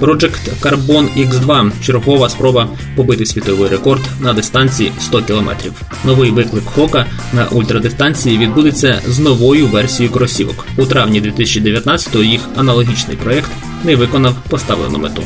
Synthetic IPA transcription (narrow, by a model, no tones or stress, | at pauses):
pɾɔd͡ʒɛkt̪kɐrbɔnikzd̪ʋɑt͡ʃeɾɦɔʋɐspɾɔbɐ | pɔbɪt̪ɪsʲʋʲit̪ɔʋɪjɾekɔrd̪nɐd̪ɪst̪ɑnʲt͡sʲijist̪ɔkʲilˠɔmɛ̰t̪ɾʲiw | nɔʋɪjʋɪklˠɪkxɔkɐ | nɐ̰ʔulʲt̪ɾɐd̪ɪst̪ɑnʲt͡sʲijiʋʲid̪̚bud̪et͡sʲːɐznɔʋɔjʊʋɛrsʲijʊkɔɾɔsʲiʋɔ̰k | ut̪ɾɑʋnʲid̪ʋʲit̪ɪsʲɐ̥t͡ʃid̪eʋʲjɐt̪nɑt͡sʲɐ̥t̪ɔɦɔjixɐnɐlˠɔɦʲit͡ʃnɪ̰jpɾɔɛkt̪ | nɛʋɪkɔnɐwpɔst̪ɑʋlˠḛnʊ̰met̪ṵ